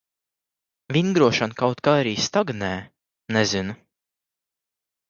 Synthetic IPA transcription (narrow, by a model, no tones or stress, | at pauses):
vinɡɾuɔʃɔnkawt̪kaɾiːst̪aɡnɛː | nɛzinu